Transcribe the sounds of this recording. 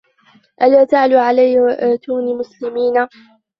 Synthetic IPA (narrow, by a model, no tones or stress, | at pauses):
ʔalaːt̪aʕluʕalajʔaːt̪uːnimʊslɪmiːna